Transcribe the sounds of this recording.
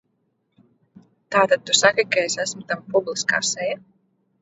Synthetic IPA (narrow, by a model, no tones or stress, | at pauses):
t̪aːt̪ad̪̚t̪usakakaesæsmut̪ampublˠiska̰ːsɛja